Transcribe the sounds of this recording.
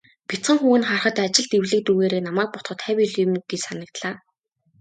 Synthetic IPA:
pʲit͡sχə̆ŋxuːwɘ̆nχarχə̆t̪at͡ɕɪ̆ɮt̪ewɮɘ̆k̚t̪uːɣeːɾeːnamæːk̚pɔt̪χɞ̆t̪ʰːæwʲiɮjɪ̆mɡ̥it͡ɕsanə̆k̚t̪ɮaː

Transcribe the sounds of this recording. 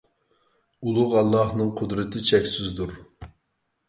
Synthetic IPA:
ulˠʊʁɑlˠːɑhnɨŋqʰʊd̪ɾɨt̪ʰɪt͡ʃʰɛkʲsyzd̪uɾ

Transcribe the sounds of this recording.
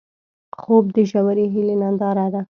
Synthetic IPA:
xob̚d̪əʒawaɾeɦilenand̪ɑɾad̪a

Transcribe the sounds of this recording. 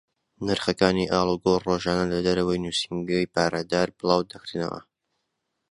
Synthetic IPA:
nɨɾχɐkaːniʔaːlˠuɡoroʒaːnɐlɐd̪ɐɾɐwɐjnuːsiŋɡɐjpaːɾad̪aːɾbɨlˠɑːwd̪ɐkɾnɐ̰wɐ̰

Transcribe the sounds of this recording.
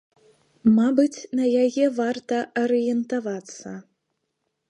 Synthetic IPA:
mabɨt͡sʲnɐjajɛvart̪ɐɐɾɨjɛnt̪avat̪sːɐ

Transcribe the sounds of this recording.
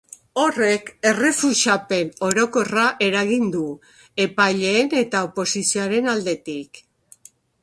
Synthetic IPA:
o̞re̞ke̞re̞fuʃape̞no̞ɾo̞ko̞raʔe̞ɾaɣ̞ind̪u | e̞pajʎe̞ːne̞t̪aopo̞sisioaɾe̞nald̪e̞t̪ik

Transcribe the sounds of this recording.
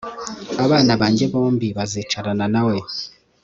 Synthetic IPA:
aβaːnaβaːɲɟe̞βo̞ːmbiβazit͡ʃaɾananawe

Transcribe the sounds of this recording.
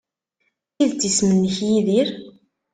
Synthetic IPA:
θiðt͡s̪ːismənːəçjiðiɾ

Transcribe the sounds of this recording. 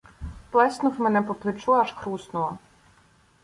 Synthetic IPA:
plˠɛsnʊwmɛnɛpɔplˠɪt͡ʃuɐʃxɾusnʊɔ

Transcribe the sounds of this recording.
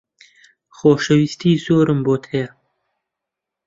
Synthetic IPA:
xoːʃɐwist̪iːzoːɾɨmboːt̪ʰɐjɐ

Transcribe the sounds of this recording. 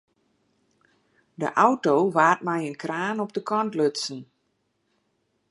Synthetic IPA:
də̰ʔawtoʋaːt̚mɛjənkraːnɔp̚dəkɔntløtsn

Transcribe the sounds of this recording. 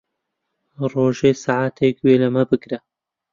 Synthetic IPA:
roːʒeːsaʕaːt̪ʰekweːlɐmɐbɨkɾɐ

